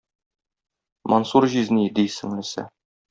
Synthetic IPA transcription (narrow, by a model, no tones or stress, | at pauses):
mʔonsuɾʑiznid̪isɘ̆ŋlɘ̆sæ̰